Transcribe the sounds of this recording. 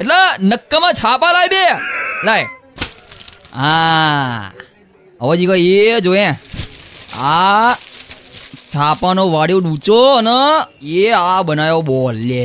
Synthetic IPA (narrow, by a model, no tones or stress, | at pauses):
eʈlenəkːamãt͡ʃʰapalabelaj | ã | əʋad͡ʒikaed͡ʒojẽ | a | t͡ʃʰapanoʋaɽjoɗũt͡ʃonəeabənajobɔlje